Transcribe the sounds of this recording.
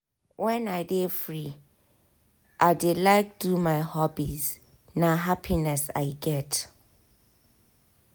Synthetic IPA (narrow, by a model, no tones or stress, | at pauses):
wʔɛ̃naɪdefɹi | ʔaɪdelaɪk̚dumaɪhɔbiz | naɦapʰinɛsa̰ɪɡɛt